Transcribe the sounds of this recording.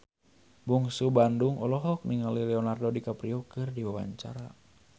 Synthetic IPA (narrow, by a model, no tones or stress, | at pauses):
buŋsubanduŋɔlɔɦɔk̚niŋalilɛɔnardodikapɾiɔkɨrdiwawa̰ɲt͡ʃa̰ɾa